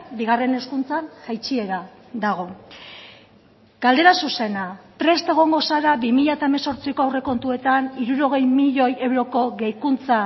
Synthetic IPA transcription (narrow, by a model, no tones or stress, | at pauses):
biɣ̞are̞ne̞skunt͡sanhajt͡ʃie̞ɾa | d̪aɣ̞o̞ | ɡald̪e̞ɾasuse̞napɾe̞st̪e̞ɣ̞o̞ŋɡo̞saɾabimiʎaet̪aemeso̞ɾt͡sikoawre̞ko̞nt̪ue̞t̪aniɾuɾo̞ɣ̞e̞jmiʎo̞je̞wɾo̞ko̞ɣejkunt͡sa